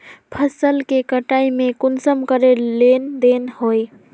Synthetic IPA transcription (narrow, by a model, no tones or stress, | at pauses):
pʰəsəlkekəʈaimekunsəmkəɾelend̪enhoj